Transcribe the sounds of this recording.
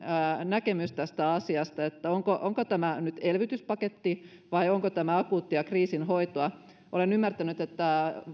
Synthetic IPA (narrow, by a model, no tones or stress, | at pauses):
nækemyst̪æst̪æɑsiɑst̪ɑet̪ːæoŋkoʔoŋkot̪æmænyt̪elʋit̪yspɑket̪ːi | ʋɑioŋkot̪æmæɑkuːt̪ːiɑkriːsinɦoit̪oɑ | ʔolenymːært̪ænyt̪et̪ːæ